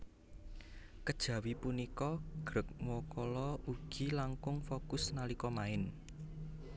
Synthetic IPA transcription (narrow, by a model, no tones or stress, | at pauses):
kəd̥ʒ̥ä̤wipunikɔɡ̥ɾə̤k̚mɔkɔlɔuɡ̥i̤laŋkʊŋfokʊsnalikɔmaɪn